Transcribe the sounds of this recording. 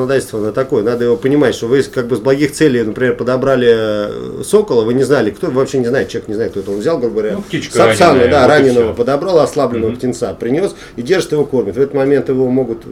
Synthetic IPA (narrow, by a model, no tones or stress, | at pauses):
nɐd̪atʲlʲst̪vəɐnot̪ɐko̞jənad̪əjɪvo̞pənʲɪmatʲʂt̪o̞vɨkaɡ̚bɨzblˠɐɡʲixt̪sɛlʲɪjnəpɾʲɪmʲerpəd̪ɐbɾalʲɪ | so̞kəlˠəvɨnʲɪznalʲɪkt̪ovɨvɐpɕːenʲɪznaɪt̪̚t͡ɕɪeknʲɪznajt̪̚kt̪oɛt̪əo̞nvzʲalˠɡɾubəɡvɾʲaisasanəd̪aɾanʲɪnːəvəpəd̪ɐbɾalˠɐslˠablʲɪnːəvəptʲɪnt̪sapɾʲɪnʲo̞s | idʲe̞rʐɨt̪jɪvo̞ko̞rmʲɪt̪vɛt̪ət̪mɐmʲe̞nt̪jɪvo̞mo̞ɡʊt̪